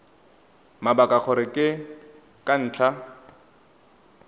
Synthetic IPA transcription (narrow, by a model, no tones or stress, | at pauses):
mabakʼak͡xʰɔɾɪkʼɪ | kʼan̩ːt͡ɬʰa